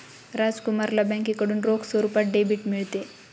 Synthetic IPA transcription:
ɾad͡zkumaɾlabɛ̃ŋkikəɽuːnɾoksoɾupaʈ̚ɖebiʈmiɭt̪e

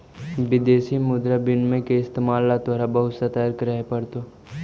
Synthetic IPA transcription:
ʋɪd̪eːsimʊd̪ɾabɪnmẽkeɪst̪eːmaːlːad̪ʋaːɾabɐɦʊt̪sɐt̪aːəɾkɾəɦepɐɾt̪o

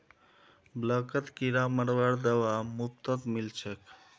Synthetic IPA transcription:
bləkət̪kiɾaməɾʋaɽd̪əwamup̚t̪ət̪milt͡ʃʰək

